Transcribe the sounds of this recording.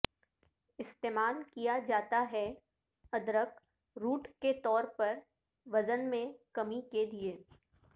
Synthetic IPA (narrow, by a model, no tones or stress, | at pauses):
ɪst̪eːmaːlkijad͡ʒaːt̪aɦɛ | ɐd̪ɾək | ɾuːʈket̪ɔːɾpɐɾ | ʋɐzənmẽkɐmiked̪ieː